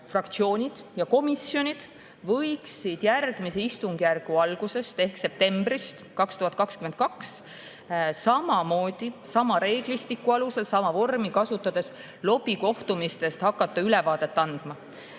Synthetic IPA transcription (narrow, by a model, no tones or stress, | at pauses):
frɑkt̪sio̞ːnʲid̪̥jɑko̞misjo̞nʲid̪̥ | vɤjksid̪̥jærɡ̥mise̞ist̪uŋɡ̥jærɡ̥uɑlɡ̥use̞st̪e̞hkse̞p̚t̪e̞mbrist̪kɑkst̪uhɑt̪ˑkɑkskymend̪̥̚kɑks | sɑmɑmo̞ːd̪̥isɑmɑɾe̞ːɡ̥list̪ikːˑuɑluse̞lsɑmɑvo̞rmikɑsut̪ːˑɑd̪̥e̞s | lo̞b̥iko̞ht̪umist̪e̞st̪hɑkːˑɑt̪ːˑɑylɛvɑːd̪̥e̞t̪ːɑnd̪̥mɑ